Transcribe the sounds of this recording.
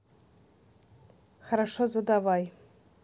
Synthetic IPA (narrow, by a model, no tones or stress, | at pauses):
χaɾaʂozad̪avaj